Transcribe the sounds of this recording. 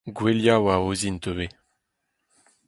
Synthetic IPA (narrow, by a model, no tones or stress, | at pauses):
ɡweljawaozint̪øve